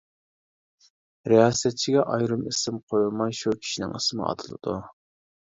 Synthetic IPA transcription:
ɾejɑːsɛt̪̚t͡ʃʰiɡʲɛʔɑjɾɨmɪsɪmqʰojulˠmɑjʃukʲʰi̥ʃinɪ̰ŋismɨ̰ɑ̰t̪ʰɨlˠɨ̰d̪u

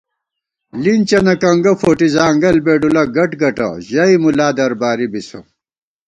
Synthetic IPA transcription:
lint͡ɕɐnɐkɐŋɡɐfoːʈizaːŋɡɐlbeːɖulɐɡɐʈɡɐʈɐ̰ʑɐimulaːd̪ɐɾbaːɾibiso̰

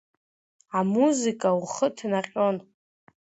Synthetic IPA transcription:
amuzikʼawχətʰnaqʲʼo̞n

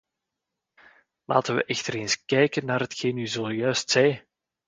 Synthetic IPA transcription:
la̰ːtəʋə̰ʔɛxtəɾeːnskɛjkənːaːrɦətxeːnyzojœɥstsɛj

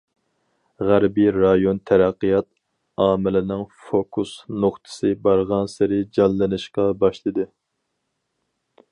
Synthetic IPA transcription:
ʁæɾbiɾɑjont̪ʰæɾæqːijɑt̪̚ | ɑːmɪlɪnɪŋfokʰusnoχt̪ʰɨ̥sɨbɑɾʁɑnsɪɾɪd͡ʒɑlːɨnɨʃqɑbɑʃlˠɨd̪ɨ

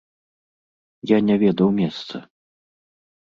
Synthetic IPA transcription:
janʲɛvʲɛd̪ɐwmʲɛst̪sɐ

